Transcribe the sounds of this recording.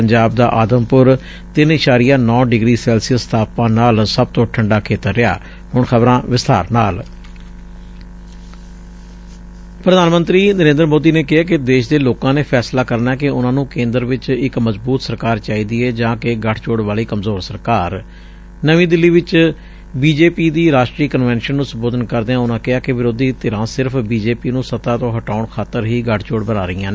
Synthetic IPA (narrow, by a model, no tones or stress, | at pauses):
əɲd͡ʒaːb̚d̪a̰ːʔaːd̪əmpʊɾ | t̪ɪnɪʃaːɾɪjãːnɔ̃ːɖɪɡɾiːsɛːlsɪjəst̪ʰaːpãːnaːlsəb̚t̪õːʈʰəɳɖaːkʰeːt̪əɾːɪa̰ː | ɦʊɳxʰəbɾãːʋɪst̪aːɾnaːl | pɾəd̪aːnmə̃nt̪ɾiːnəɾẽːnd̪əɾmoːd̪iːneːkɪɦaːk̬ɪd̪eːʃd̪eːloːkãːneːpʰɛːslaːkəɾnaːɛkɪʊnãːnũːkẽːnd̪əɾʋɪt͡ʃɪkməzbuːt̪səɾkaːɾt͡ʃaːiːd̪iːɛːd͡ʒãːkeɡəʈʰt͡ʃoːɽʋaːliːkəmzoːɾsəɾkaːɾ | nəʋĩːd̪ɪlːiːʋɪt͡ʃ | biːd͡ʒeːpiːd̪iːɾaːʃʈɾiːkənʋɛ̃ːnʃənːũːsəmboːd̪ənkəɾd̪eːãːʊnãːkɪaːkɪʋɪɾoːd̪iːt̪ɪɾãːsɪɾpʰbiːd͡ʒeːpiːnũːsət̪aːt̪õːɦəʈaːʊɳkʰaːt̪əɾɦiːɡəʈʰt͡ʃoːɽbənaːɾəiːãːneː